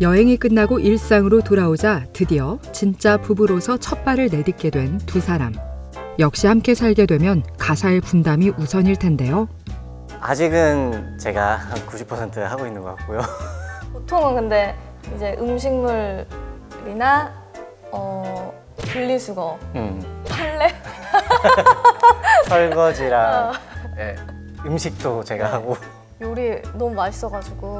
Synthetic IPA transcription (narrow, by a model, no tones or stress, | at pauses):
jʌɦe̞ŋik͈ɯnːaɡoʔiɭs͈aŋɯɾotoɾaod͡ʑatɯdiʌt͡ɕint͡ɕ͈apubɯɾosʰʌt͡ɕʰʌp̚p͈aɾɯɭne̞dik̚k͈e̞dwe̞ntusʰaɾam | jʌk̚ɕ͈iɦamk͈e̞sʰaɭɡe̞dwe̞mjʌnkasʰaepundamiʔusʰʌɲiɭtʰe̞nde̞jo | a̰d͡ʑiɡɯnt͡ɕe̞ɡahankuɕʰi̥pʰʌsʰe̞ntʰɯhaɡoinːɯnɡʌk͈ak̚k͈ujopotʰoŋɯnkɯnde̞ | id͡ʑe̞ʔɯmɕʰiŋmuɭ | ɾina | ʌ | puʎːisʰuɡʌ | pʰaɭːe̞ | sʰʌɭɡʌd͡ʑiɾaŋje | ɯmɕʰik̚t͈ot͡ɕe̞ɡaɦaɡo | uɾinomumaɕʰi̥s͈ʌɡad͡ʑuɡo